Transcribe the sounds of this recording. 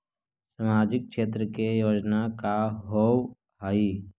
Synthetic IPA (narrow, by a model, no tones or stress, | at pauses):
səmaːd͡ʒɪk̚kʃeːt̪̬ɾəkejoːd͡ʒnakaɦoːw | ɦai